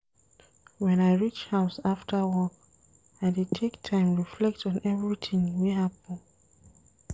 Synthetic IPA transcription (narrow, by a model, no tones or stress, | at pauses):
wɛ̃naɪɹit͡ʃhaʊsaftʰəwɔk | aɪdid̚tʰektʰãɪ̃mɹiflɛk̚tɔ̃nɛvɹitʰĩŋwiɦapə̃n